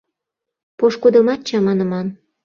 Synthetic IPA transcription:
poʃkud̪ə̆mɑt̪̚t͡ɕɑmɑnə̆mɑn

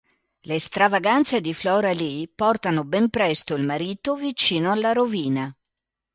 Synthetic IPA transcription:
lest̪ɾavaɡant̪sed̪iflɔɾalipɔrt̪anobɛmpɾɛst̪oilmaɾiːt̪ovit͡ʃiːnoalːaɾoviːna

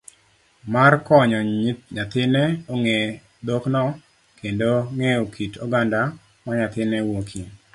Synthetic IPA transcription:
markɔɲɔɲat̪ɪnɛoŋe | d̪oknɔ | kendoŋeokʰitʰoɡanda | maɲat̪ɪnɛwokʰi

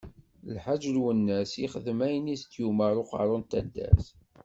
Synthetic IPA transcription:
lħaʒlwənːæsiχəðəmæjəniθt̪ːjuməɾˤʊqɑ̰ɾˤʊnt̪æd̪ːæ̰s

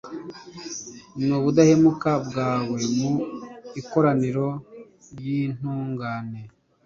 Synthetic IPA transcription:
nuβudahe̞mukabɡaːwe̞muiko̞ɾaniɾo̞ | ɾjin̥uːŋɡaːne̞

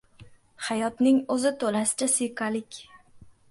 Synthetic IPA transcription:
hajɒt̪nɪŋɵzɪt̪ʰolasɪ̥t͡ʃasɪjqalɪkʲ

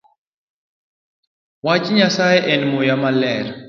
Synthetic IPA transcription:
wat͡ʃɲasajɛʔɛnmʊjamalɛɾ

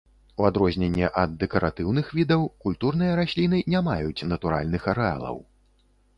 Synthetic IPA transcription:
uad̪ɾɔzʲnʲɛnʲːɛʔɐd̪ːɛkɐɾat̪ɨwnɨxvʲid̪ɐwkulʲt̪urn̪ɨjɐɾasʲlʲin̪ɨnʲamajut͡sʲnɐt̪uɾa̰lʲnɨxɐɾɛa̰lˠɐ̰w

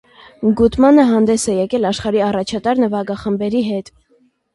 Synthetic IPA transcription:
ɡut̪mɑnəɦɑnd̪ɛsɛjɛkɛlɑʃχɑɾiɑrɑt͡ʃʰɑt̪ɑɾnəvɑɡɑχəmbɛɾiɦɛt̪

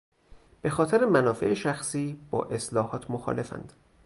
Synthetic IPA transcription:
b̥e̞xɒːt̪ʰeɾemænɒːfe̞̰ʔeʃæxsiːb̥ɒ̰ːʔe̞slɒːhɒːt̪ʰmoxɒ̰le̞fæ̰nd̪̥

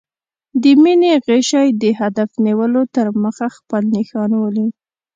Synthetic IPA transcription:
d̪əmineɣeʃajd̪əɦad̪afniwəlot̪əɾməxaxpəlnixɑnwəli

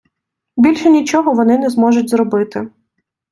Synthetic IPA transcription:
bʲilʲʃɛnʲit͡ʃɔɦɔʋɔnɪnɛzmɔʒʊtʲzɾɔbɪt̪ɪ

